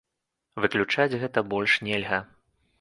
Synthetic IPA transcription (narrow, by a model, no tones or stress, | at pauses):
vɨklʲut͡ʂad͡zʲɣɛt̪ɐbɔlʲʂnʲɛlʲɣɐ